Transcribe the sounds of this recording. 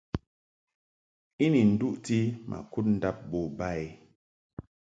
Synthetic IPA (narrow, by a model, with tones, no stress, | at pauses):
i˦ni˨n̩˨du˦ʔti˦mʔa̰˨ku˦t̚n̩˦da˦p̚bo˨ba˦˨i˨